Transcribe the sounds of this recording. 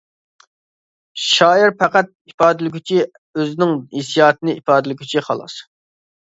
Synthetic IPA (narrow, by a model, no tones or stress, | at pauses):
ʃɑːiɾpæqæt̪̚ipɑːd̪ɪlɪɡʲʰyt͡ʃʰi | øzɪnɪŋhesijɑːt̪ɨnɪʔipɑːd̪ɪlɪɡʲyt͡ʃʰiχɑ̰lˠɑ̰s